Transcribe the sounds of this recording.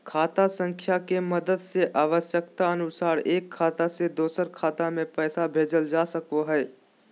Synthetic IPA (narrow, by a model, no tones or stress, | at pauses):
kʰaːt̪asə̃ŋkʰjakeməd̪əd̪seʔaːʋəʃjəkt̪aənʊsaːɾeːkʰːaːt̪ased̪oːsəɾkʰaːt̪amẽpɛːsabʱeːd͡ʒəld͡ʒaːsəkoɦɛː